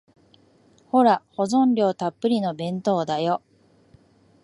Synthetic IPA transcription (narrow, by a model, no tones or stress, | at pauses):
ho̞ɾaho̞zõ̞nɾʲo̞ːt̪apːɯ̟ɾʲino̞bẽ̞nt̪o̞ːd̪ajo